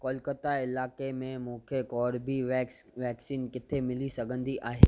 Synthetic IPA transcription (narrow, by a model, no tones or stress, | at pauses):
kɔːlkət̪aɪlaːkemẽmʊ̃ːkʰekɔːɾbʱiʋɛːksiːnkɪt̪ʰemɪlisɐɡʱə̃nd̪iʔaːɦeː